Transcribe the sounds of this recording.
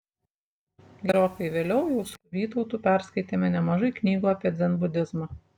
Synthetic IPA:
ɡʲɛɾʲokɐɪʋʲeːlʲɛʊjɛʊsʊʋʲiːt̪ɐʊt̪uːpʲæˑɾskɐɪt̪ʲeːmʲɛnʲɛmɐʒɐɪknʲiːɡuːɑːpʲiɛd̪zʲɛnbʊd̪ʲɪzmɐ

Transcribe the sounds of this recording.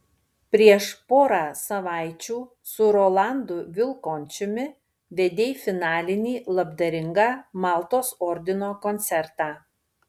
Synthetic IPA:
pʲɾʲiɛʃpoːɾɑːsɐʋɑˑɪt͡ʃʲuː | sʊɾɔːlˠɑˑnd̪ʊʋʲɪlˠkoːnʲt͡ʃʲʊmʲɪ | ʋʲɛd̪ʲeːjfʲɪnɑːlʲɪnʲiːlˠɐbd̪ɐɾʲɪŋɡɑːmɑːˑlˠt̪oːsɔɾʲd̪ʲɪnoːkɔnʲt̪sʲɛɾt̪ɑː

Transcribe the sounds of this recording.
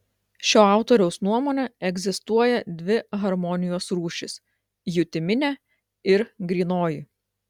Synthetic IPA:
ʃʲoːɑˑʊt̪oːɾʲɛʊsnuɔmoːnʲɛɛɡʲzʲɪst̪uɔjɛd̪ʲʋʲɪɣɐɾmɔnʲɪjoːsɾuːʃʲɪs | jʊt̪ʲɪmʲɪnʲɛ | ɪɾɡɾʲiːnoːji

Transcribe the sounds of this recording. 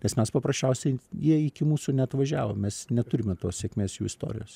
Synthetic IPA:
nʲɛsmʲɛspɐprɐʃʲt͡ʃʲɛʊsʲɛɪjiɛɪkʲɪmuːsunʲɛɐt̪ʋɐʒʲæːʋo̰ːmmʲɛsnʲɛt̪ʊɾʲɪmʲɛt̪oːssʲeɛkʲmʲeːsjṵːɪst̪o̰ːɾʲɪ̰joːs

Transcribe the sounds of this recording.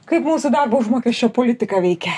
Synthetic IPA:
kɐɪpmuːsʊd̪ɐrbɐʊʒmoːkʲɛʃʲt͡ʃʲɛpoːlʲɪt̪ʲɪkɑʋʲɛɪkʲɛ

